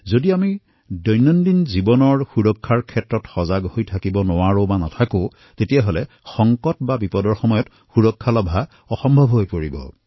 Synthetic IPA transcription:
zodiami | dɔjnːɔndinzibɔnɔɹxuɹɔkʰːaɹkʰɛtɹɔtxɔzaɡhojtʰakibɔnʊwaɹobanɔtʰakõ | tetijaɦolɛ | xɔŋkɔtbabipɔdɔɹxɔmɔjɔt | xuɹɔkʰːalɔbʱa | ɔxɔmbʱɔbʱɦojpoɹibɔ̰

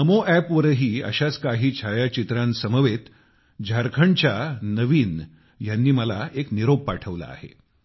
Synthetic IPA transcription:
əmoʔæpʋəɾɦiːə̰ɕat͡skaɦiːt͡ɕʰajat͡ɕit̪ɾansəməʋet̪ | d͡ʑʱaɾkʰəɳt͡ɕanəʋiːn | janːiːməlaekniɾob̚paʈʰəʋla̰a̰hḛ

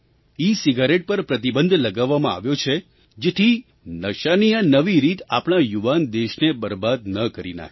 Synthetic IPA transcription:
isiɡaɾeʈ̚pəɾpɾət̪̬ibənd̪ʱləɡaʋːamãa̰ʋjot͡ʃʰe | d͡ʒet̪ʰi | nəʃanijanəʋiɾit̪a̰pɽɳ̃ajuʋand̪eʃnebəɾbad̪nəkəɾḭna̰ɦ

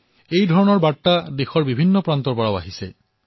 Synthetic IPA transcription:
ejdʱɔɹɔnɔɹbaad̪exɔɹbibʱinːɔpɹant̪ɔɹpɔɹawa̰ɦise

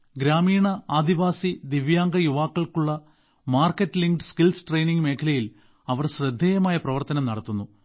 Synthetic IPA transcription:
ɡɾaːmiːɳɐaːd̪iʋaːsid̪iʋjaːŋɡɐjuʋaːkːɐɭkuɭːɐ | maːrkːɐʈːɨliŋɡɖɨskilsʈrejniŋɡme̞ːkʰɐlɐjil | ɐʋɐrɕrɐd̪ʱːeːjɐmaːjɐprɐʋɐrt̪ɐnɐmnɐɽɐt̪ːunːu

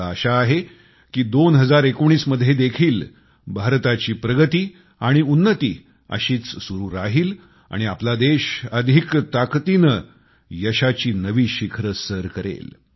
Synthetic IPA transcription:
əɕaːɦe | kiːd̪onɦəd͡zaɾekoɽ̃iːsməd̪ʱjed̪ekʰiːl | bʱaɾt̪at͡ɕiːpɾəɡət̪iː | aɽ̃iunːət̪iː | ə̰ɕiːt͡ssuɾuːɾaɦiːl | a̰ɽ̃iaplad̪eɕəd̪ʱikt̪akt̪inə | jəɕat͡ɕiːnəʋiːɕikʰɾəsəɾkəɾḛl

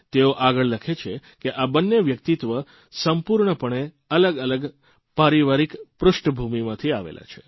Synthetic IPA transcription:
t̪eoʔaɡəɭləkʰet͡ʃʰekeʔabənːeʋjək̚t̪it̪ʋə | səmpuɾɳəpəɳe | ələɡələɡ | paɾiʋaɾikpɾʊʃʈəbʱumimãt̪ʰiaʋḛlʔa̰t͡ʃʰe

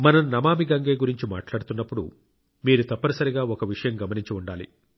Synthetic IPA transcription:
mɐnɐmnɐmaːmiɡɐŋɡeːɡuɾiɲt͡ʃima̰ːʈlaːɽut̪unːɐpːuɽṵ | miːɾut̪ɐpːɐɾɐsɐɾiɡaːɔkɐʋiʂɐjɐmɡɐmɐniɲt͡ʃiuɳɖaːlḭ

